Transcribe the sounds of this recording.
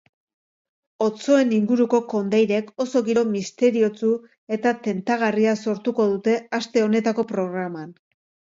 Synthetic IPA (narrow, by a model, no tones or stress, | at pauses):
o̞t͡so̞e̞niŋɡuɾuko̞ko̞nd̪ajɾe̞ko̞so̞ɣiɾo̞mist̪e̞ɾio̞t͡su | e̞t̪at̪e̞nt̪aɣ̞ariaso̞ɾt̪uko̞ðut̪e̞ast̪e̞o̞ne̞t̪ako̞pɾo̞ɣ̞ɾaman